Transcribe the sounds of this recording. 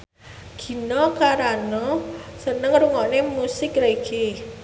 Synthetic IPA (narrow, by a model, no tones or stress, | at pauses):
ɡ̥i̤nɔkaɾanɔsənəŋruŋɔʔnemusɪkreiɡi